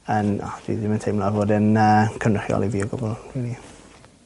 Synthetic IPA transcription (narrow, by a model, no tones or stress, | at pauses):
ənɔ̰d̥wḭdɪməntʰejmlˠavoːdənəkʰənrəχjɔ̰lˠiviɔɡɔbɔlˠrili